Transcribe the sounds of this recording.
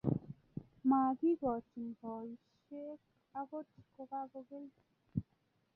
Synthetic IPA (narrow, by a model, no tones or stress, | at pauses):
maɡiɡɔt͡ʃind̪ɔʃ | ek | aɡoi̥kokaɡoɡel